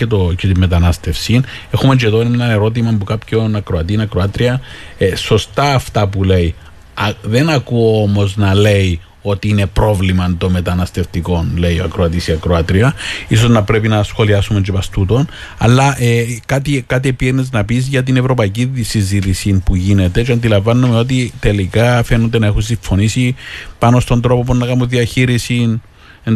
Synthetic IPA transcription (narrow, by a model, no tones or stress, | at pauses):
et̪ocet̪imːe̞t̪ɐnɐst̪e̞fsine̞xumed͡ʒeðo̞enenɐne̞ɾo̞t̪̬imɐmpukapçonɐkɾoɐt̪inɐkɾoat̪ɾiɐeso̞st̪ɐːft̪ɐpule̞i | ðe̞nɐkuoomo̞znɐle̞i | o̞t̪iine̞pɾo̞vlimɐnt̪o̞mme̞t̪ɐnɐst̪e̞ft̪iko̞nle̞joɐkɾoɐt̪isiɐkɾoat̪ɾiɐisoznɐpɾe̞pinɐsxo̞liɐsume̞nd͡ʒepɐst̪ut̪o̞n | ɐ̰lːɐʔekɐt̪ikɐt̪iepienːeznɐpizʝɐt̪̬ine̞vɾo̞pɐiciðisizit̪isinpuʝine̞t̪e̞t͡ʃɐnd̪ilɐɱvɐnːumeo̞t̪̬it̪e̞likɐfe̞nond̪enɐe̞xuns̬iɱfo̞nisipɐno̞st̪o̞nd̪ɾo̞poponːɐkɐmoðiɐçiɾisin | en